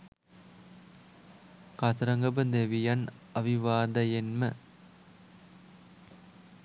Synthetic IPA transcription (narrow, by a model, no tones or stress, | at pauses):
kɐt̪ɾɐŋɡɐbəd̪eʋijɐnɐʋiʋaːd̪ɐjenmə